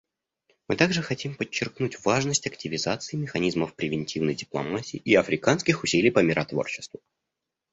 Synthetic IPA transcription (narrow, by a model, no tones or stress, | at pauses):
mɨt̪aɡʐɨxɐtʲimpət͡ɕːɪrknutʲvaʐnəsʲtʲɐktʲɪvʲɪzat̪sɨɪmʲɪxɐnʲizməfpɾʲɪvʲɪnʲtʲivnəjdʲɪplˠɐ̰matʲɪːʔiɐfɾʲɪkanskʲɪxʊsʲilʲɪjpəmʲɪɾʔɐt̪vo̞̰rt͡ɕːɪ̥st̪vʊ